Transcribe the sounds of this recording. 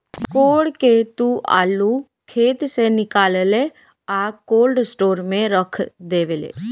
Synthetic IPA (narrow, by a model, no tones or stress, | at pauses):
koːɽket̪ua̰ːlu | kʰeːt̪senɪkaːlle | aːkoːlɖsʈoːɾmẽɾəkʰd̪eːʋelḛː